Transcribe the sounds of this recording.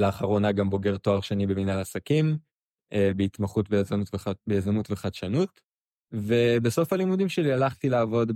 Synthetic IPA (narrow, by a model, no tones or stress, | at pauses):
leaχaʁo̞naɡambo̞ɡe̞ʁtoaʁʃenibeminalasakim | ebeitmaχutbeazanutvbeazamutveχadʃanut | vebeso̞falimudimʃelialaχtileːvo̞d